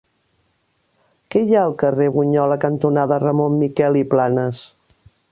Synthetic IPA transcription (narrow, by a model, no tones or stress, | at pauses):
kɛjaəlˠkəreβuɲɔləkənt̪unaðərəmonmikɛliplanəs